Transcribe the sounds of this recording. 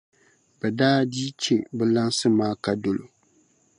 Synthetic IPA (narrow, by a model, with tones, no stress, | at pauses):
bɛ˨daː˦diː˦t͡ʃe˨bɨ˦la˦n˦sɨ˦maː˦ka˨do˨lo̰˨